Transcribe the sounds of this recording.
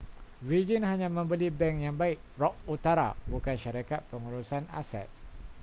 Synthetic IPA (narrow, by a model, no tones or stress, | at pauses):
rid͡ʒənɦaɲãmə̃mbəlibɛŋjaŋbaɪk̚ɾɔk̚ut̪aɾa̰bukanʃaɾakat̪̚pəŋuɾusana̰sɛ̰t̪̚